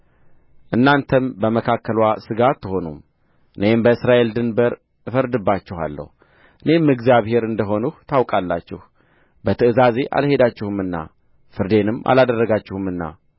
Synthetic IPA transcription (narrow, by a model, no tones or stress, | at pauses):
ʔɨnːant̪ʰəmbəməkʰakʰːəlwasɨɡat̪ʰːɨho̞num | ʔɨne̞mbəɨsɾaʔe̞ld̪ɨnbəɾ | fəɾd̪ɨbːat͡ʃːɪha̰lːə̰hu | ʔɨne̞mːɨɡzjaβhe̞ɾɨnd̪əɦo̞nuht̪ʰawkʼalːat͡ʃːɪh | bət̪ʰɨʔɨzaze̞ʔa̰lhe̞d̪at͡ʃːɪhumɨnːa̰ | fɨɾd̪e̞nɨma̰lad̪ərːəɡat͡ʃːɪhɨmɨnːa̰